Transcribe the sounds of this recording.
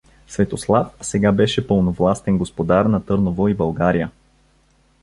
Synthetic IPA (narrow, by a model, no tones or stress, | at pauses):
svɛt̪oslˠafsɛɡabɛʃɛpɤlˠnovlˠast̪ɛnɡospod̪aɾnɐt̪ɤɾnovoibɐlˠɡaɾijə